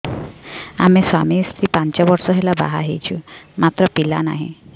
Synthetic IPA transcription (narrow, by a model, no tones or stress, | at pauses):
a̰mesamist̪ʰipaɲt͡ɕjabɔɾsɔɦelaba̰ɦa̰ɦḛjt͡ɕumat̪ɾɔpilana̰ɦḭ̃